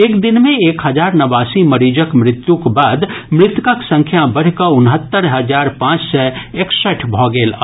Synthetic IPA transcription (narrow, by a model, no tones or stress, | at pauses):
eːkd̪ɪnmẽeːkɦəd͡ʒaːɾnɐʋaːsiməɾiːd͡ʒəkmɾɪt̪jũkbaːd̪mɾɪt̪kəksə̃ŋkʰjabəɽ̤kəʊnɦət̪ːəɾɦəd͡ʒaːɾpãːt͡ʃsɛeksəʈʰbʱɔɡeːla